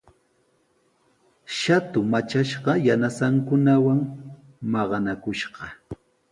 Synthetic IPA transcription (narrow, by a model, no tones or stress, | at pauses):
ʃat̪ʊmat͡ʃaʃɢɑjanasaŋkʊnawaŋ | mɑɢɑnakʊʃɢɑ